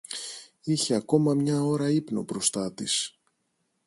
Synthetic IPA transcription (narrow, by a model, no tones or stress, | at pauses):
içeɐko̞mɐmɲɐo̞ɾɐipno̞̰bɾo̞st̪ɐt̪is